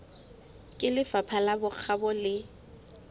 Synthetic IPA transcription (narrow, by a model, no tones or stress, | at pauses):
kʼɪlɪfapʰalabʊk͡xʰabɔlɪ